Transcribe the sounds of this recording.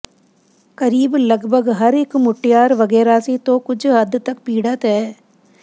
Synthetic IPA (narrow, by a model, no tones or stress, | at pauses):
kɐɾiːblɐɡbʱəɡɦɐɾɪkmʊʈːɪjaːɾʋɐɡɛːɾaːset̪okʊt͡ʃʰɦɐd̪t̪ɐkpiːɽət̪ɦɛː